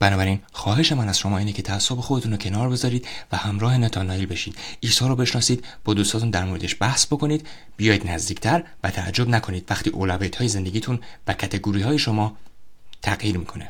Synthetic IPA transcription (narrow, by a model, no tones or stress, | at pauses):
b̥ænɒːbæɾinxɒːɦe̞ʃe̞mænæz̥ʃo̞mɒːiːnecʰe̞t̪ʰææsːobexod̪e̞t̪ʰunɾocʰe̞nɒːɾbe̞zɒːɾiːd̪̥væhæmɾɒːhe̞net̪ʰɒnɒilbe̞ʃiːd̪̥ishɒːɾɔːbe̞ʃnɒːsiːd̪̚b̥ɒːd̪ust̪ɒːt̪ʰund̪æɾmoɾe̞d̪e̞ʃbæhsbo̞kʰoniːd̪ | bijɒːjiːd̪næzd̪iːkcʰt̪ʰæɾvæt̪ʰææ̰d͡ʒːo̞bnækʰo̞niːd̪væxt̪ʰiːʔolævet̪ʰɒːje̞ze̞nd̪e̞ɟiːt̪ʰunvæcʰæt̪ʰe̞ɡuːɾiːhɒːje̞ʃo̞mɒːt̪ʰæɣjiːɾmiːkʰo̞ne